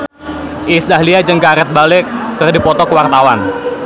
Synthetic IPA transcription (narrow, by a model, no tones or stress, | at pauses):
ʔɪsdahliad͡ʒəŋkaɾɛt̪̚balɪkːərdipɔt̪ɔkəwart̪awan